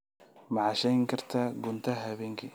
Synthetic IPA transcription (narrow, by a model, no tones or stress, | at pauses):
mɑʕɑʃɛjŋkʰɐrt̪ʰaːɡʊnt̪ʰɐɦɐβɛːŋkʰi